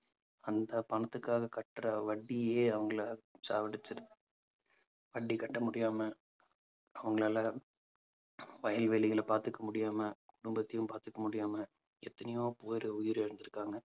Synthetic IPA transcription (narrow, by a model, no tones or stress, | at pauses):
ɐnd̪ɐpɐɳɐt̪ːɯkːaːɣɐkɐʈːɾɐʋɐɖːijeːɐʋɐŋɡɐɭɐsa̰ːʋɐɽɪt͡ʃːɯɾɐðɯ | ʋɐɖːikɐʈːɐmʊɽɪjaːmɐ | ɐʋɐŋɡɐɭaːlɐ | ʋɐjɐlʋeːlɪɣɐɭpaːɾt̪ɯkːɐmʊɽɪjaːmɐkʊɽʊmbɐt̪ːɪjɯmpaːɾt̪ɯkːɐmʊɽɪjaːmɐ | ɛ̰t̪ːɐnɐjoːpoːjɾɯʊjɪɾɛɾɯnd̪ɯɾɯkːaːŋɡɐ